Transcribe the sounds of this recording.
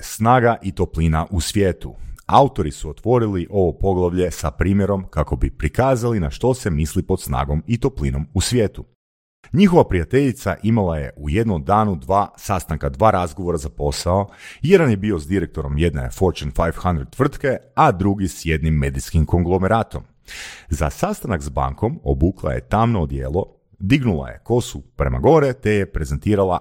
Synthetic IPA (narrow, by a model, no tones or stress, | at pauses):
snaːɡaʔit̪oplinaʔusʋjeːt̪uaut̪o̞ɾisuo̞t̪ʋo̞ɾiliʔo̞ʋo̞po̞ɡlˠaʋʎe̞sapɾiːmje̞ɾo̞mkako̞bipɾikaːzalinaʃt̪o̞se̞mislipo̞t̪sna̰ːɡo̞mit̪o̞plˠino̞musʋʲje̞ːt̪u | ɲixoʋapɾijat̪e̞ʎit̪sa̰ʔimalˠaje̞̰ʔujed̪nomd̪aːnud̪ʋaːsast̪aŋkad̪ʋaːɾazɡo̞ʋo̞ɾazapo̞saoje̞d̪anje̞bio̞zd̪iɾek̚t̪o̞ɾo̞mje̞d̪ne̞̰foɾt͡ʃenfajʋxand̪ɾed̪t̪ʋr̩t̪ke̞ad̪ɾuɡisje̞d̪nimːed̪iskimko̞ŋɡlˠo̞meɾaːt̪o̞m | za̰sast̪anakzba̰ŋko̞mo̰buklˠa̰jḛt̪amnod̪jḛːlˠo̞ | d̪iɡnulˠa̰je̞̰ko̞supɾe̞ma̰ɡo̞ɾet̪ejepɾe̞zent̪iːɾalˠa